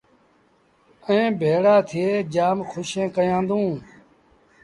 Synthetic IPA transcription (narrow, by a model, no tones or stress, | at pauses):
ẽːbʱeːɽaːt̪ʰɪjeːd͡ʒaːmxʰʊʃẽːkəjãːnd̪ũː